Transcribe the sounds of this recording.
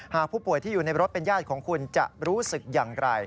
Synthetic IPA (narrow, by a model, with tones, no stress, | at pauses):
haː˨˩k̚pʰu˥˩pu˨˩əjt̪ʰiː˥˩juː˨˩na˧jɾo˦˥t̪̚pe˧njaː˥˩t̪̚kʰɔː˩˦ŋkʰu˧nt͡ɕa̰˨˩ʔɾuː˦˥sɯ˨˩k̚jaː˨˩ŋɾa˧j